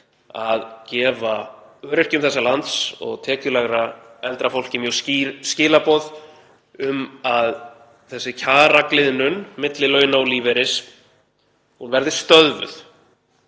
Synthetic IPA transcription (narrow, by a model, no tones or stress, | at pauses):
aðcɛːvaœːɾɪr̥cʏmθɛsːalant̪sɔ̰ɣt̪ʰɛːcʏlɛɣɾaɛlt̪ɾafowl̥cɪmjœscɪːlapɔð | ʏmað | θɛsːɪcʰaːɾaklɪðnʏnmɪt̪lɪlœːɥnawliːvɛɾɪs | hunvɛɾðɪst̪œðvʏ̰θ